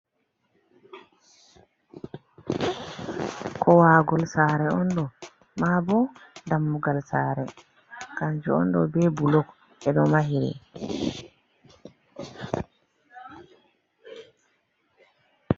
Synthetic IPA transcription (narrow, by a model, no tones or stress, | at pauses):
kʰɔwaːɡɔlsaːɾɛɔndɔ | maːbɔdamːuɡalsaːɾɛ | kaɲd͡ʒuɔ̰ndɔbɛbulɔk | ɛɗɔmaɦiɾɛ̰